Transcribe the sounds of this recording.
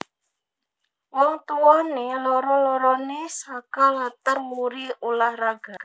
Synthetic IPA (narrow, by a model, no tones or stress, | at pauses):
wɔŋt̪uwɔnelɔɾɔlɔɾɔnesakalat̪ərmuɾiulahraɡ̥a̤ʔ